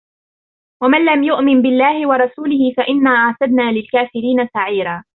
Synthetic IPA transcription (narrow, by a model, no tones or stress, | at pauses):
wamanlamjʊʔmɪnbɪlːaːhɪwɑɾˤɑsuːlɪhɪfaʔɪnːaːʔaʕt̪ad̪naːlɪlkaːfɪɾiːnasaʕiːɾaː